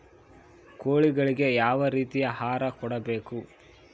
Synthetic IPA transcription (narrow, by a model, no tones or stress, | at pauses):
koːɭiɡɐɭiɡe̞jaːʋɐɾiːt̪ijɐhaːɾɐkɔɽɐbeːku